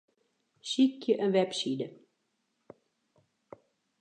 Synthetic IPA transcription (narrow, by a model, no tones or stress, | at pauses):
sikjəʔənʋɛpsidə